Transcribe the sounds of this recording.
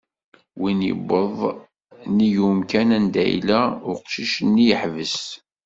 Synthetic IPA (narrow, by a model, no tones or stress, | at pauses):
winjḭbəðˤ | nijumkænænd̪æ̰j̰læʊqʃiʃnːijəħvəs